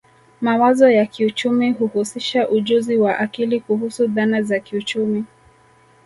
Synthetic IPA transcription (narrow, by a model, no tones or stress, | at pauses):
mawazɔjakiut͡ʃumiɦuhusiʃaʔuʄuziwaʔakilikuɦusuðanazakiut͡ʃumi